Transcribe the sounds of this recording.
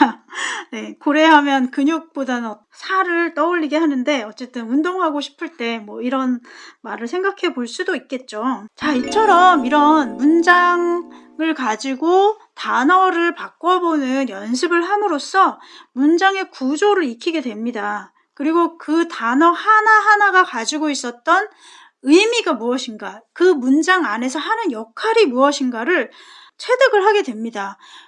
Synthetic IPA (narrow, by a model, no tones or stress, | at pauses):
ane̞koɾe̞ɦamjʌnkɯɲok̚p͈odan | sʰaɾɯɭt͈ʌuʎːiɡe̞ɦanɯnde̞ʌt͡ɕ͈e̞t͈ɯnundoŋɦaɡoɕʰi̥pʰɯɭt͈e̞mwʌiɾʌnmaɾɯɭsʰe̞ŋɡakʰe̞boɭs͈udoik̚k͈e̞t̚t͡ɕ͈ot͡ɕait͡ɕʰʌɾʌmiɾʌnmund͡ʑaŋ | ɯɭkad͡ʑiɡo | tanʌɾɯɭpak͈ʌbonɯnjʌns̬ʰɯbɯɭɦamɯɾos͈ʰʌmund͡ʑaŋe̞kud͡ʑoɾɯɭikʰiɡe̞dwe̞mɲida | kɯɾiɡokɯtanʌhanaɦanaɡakad͡ʑiɡois͈ʌt̚t͈ʌn | ɯjmiɡamuʌɕʰinɡakɯmund͡ʑaŋane̞s̬ʰʌhanɯnjʌkʰaɾimuʌɕʰinɡaɾɯɭ | t͡ɕʰwe̞dɯɡɯɭɦaɡe̞dwe̞mɲida